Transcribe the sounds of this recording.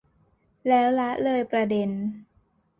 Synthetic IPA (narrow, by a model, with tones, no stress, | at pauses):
lɛː˦˥wla˦˥ʔlɤː˧jpɾa˧de˧n